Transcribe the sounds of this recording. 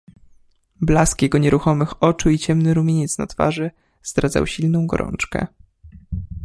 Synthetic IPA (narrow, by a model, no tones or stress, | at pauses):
blaskjɛɡɔɲɛɾʔuxɔmɘxɔt͡ʂuit͡ɕɛmnɘɾumʲeɲɛt̪sna̰t̪fa̰ʐɘ | z̥d̪ɾad̪za̰wɕilnɔ̃w̃ɡɔ̰ɾɔ̰nt͡ʂkɛ̰